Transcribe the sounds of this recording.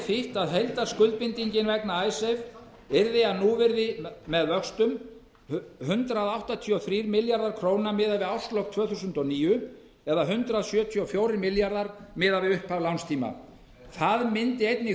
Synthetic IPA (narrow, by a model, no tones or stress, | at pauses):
θɪht̪aðɦejlt̪askʏlt̪̚pɪnt̪iɲcɪnvɛknaaːjsɛv | ɪɾðɪaðnuvɪɾðɪmɛðvœkst̪ʏm | hʏnt̪ɾaðawht̪at̪ʰiɔθɾiːɾmɪljaɾðaɾ̥kʰɾoːwnamɪːðavɪðawst̪lowk̚t̪ʰv̥œːθusʏnt̪ɔniːjʏ | ɛðaɦʏnt̪ɾaðsjœːt̪ʰiɔfjowɾɪɾmɪljaɾðaɾmɪːðavɪʏhpavlawnst̪ʰiːma̰ | θaðmɪnt̪ɪejt̪nɪ